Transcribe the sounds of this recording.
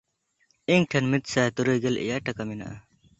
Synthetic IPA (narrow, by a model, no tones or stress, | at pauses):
iŋɡʈʰɐnmit̪saːt̪uɾojɡɐlḭjaʈɐkamina̰ʔ